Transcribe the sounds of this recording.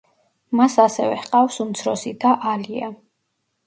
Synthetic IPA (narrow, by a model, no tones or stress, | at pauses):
masasɛvɛhqʼafsumt̪sʰɾɔsid̪aʔalia